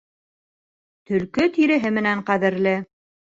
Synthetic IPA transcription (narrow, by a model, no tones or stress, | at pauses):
t̪ɵ̆lkɵt̪iɾɘ̆ɦɘmɘ̆næɴqæðɘ̆ɾlɘ